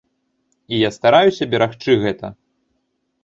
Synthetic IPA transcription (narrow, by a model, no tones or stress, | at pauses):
ijast̪aɾajusʲɐbʲɛɾaxt͡ʂɨɣɛt̪ɐ